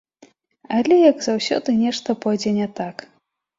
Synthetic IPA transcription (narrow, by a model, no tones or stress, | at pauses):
ɐlʲɛjɐɡzawsʲɔ̰d̪ɨnʲɛʂt̪ɐpɔjd͡zʲɛnʲɛt̪ak